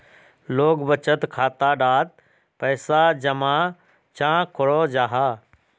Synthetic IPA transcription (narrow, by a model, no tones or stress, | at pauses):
loːɡbət͡ʃət̪kʰaːt̪aɖaːt̪̚ | pɛːsad͡ʒəmãː | t͡ʃãːkʰʊɽod͡ʒaːɦaː